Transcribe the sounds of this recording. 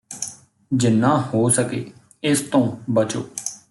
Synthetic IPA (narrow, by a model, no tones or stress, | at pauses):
d͡ʒɪnːãːhoːsəkeː | ɪst̪õːbət͡ʃo̰ː